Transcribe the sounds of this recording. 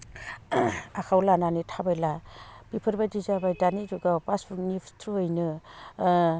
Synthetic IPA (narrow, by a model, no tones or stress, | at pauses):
akʰawlananitʰabajlapipʰɯɾbadizabajdaniduɡapasbuknipʰtʰɾuɯjnɯ